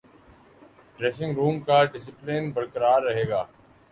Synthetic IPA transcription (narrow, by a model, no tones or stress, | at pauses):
ɖɾeːsɪ̃ŋɡɾuːmkaɖɪs̬ɪpleːnbəɽkəɾaːɾːɐɦeːɡaː